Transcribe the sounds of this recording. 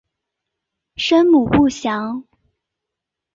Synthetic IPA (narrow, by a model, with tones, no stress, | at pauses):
ʂə˥nmu˨˩pu˥˩ɕjɑ˧˥˦ŋ